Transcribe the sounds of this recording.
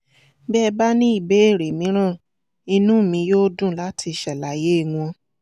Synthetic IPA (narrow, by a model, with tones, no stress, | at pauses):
bɛ˦˧ba˦nĩ˦i˦˨be˨˦e˦˨ɾe˨mĩ˨˦ɾ̃ã˦˨ | i˧nũ˦˨mĩ˧˦joː˦dũ˦˨la˨˦tʰi˧ʃɛ˨la˨˦je˦˨w̃ɔ̃˧